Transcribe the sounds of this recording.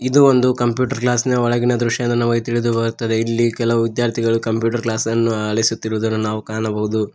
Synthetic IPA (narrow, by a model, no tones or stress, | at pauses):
id̪uond̪ukɐmpjuːʈɐɾklaːsnɐɔɭɐɡinɐd̪ɾuʂjɐnd̪ɐnaːʋɐit̪iɭid̪ubɐɾut̪ːɐd̪e̞ilːikɛlɐʋuʋid̪jaːɾt̪ʰiɡɐɭukɐmpjuːʈɐɾklaːsɐnːuaːɭɐjisut̪ːiɾʋud̪ɐnːunaːʋukaːnɐbɐɦud̪u